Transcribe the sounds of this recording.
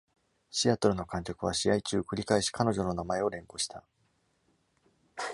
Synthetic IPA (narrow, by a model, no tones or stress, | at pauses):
ɕiat̪o̞ɾɯ̟no̞kãŋkʲokɯ̟βaɕijait͡ɕɨːkɯ̟ɾʲikaeɕi̥kano̞ʑo̞no̞namae̞o̞ɾẽ̞ŋko̞ɕi̥t̪a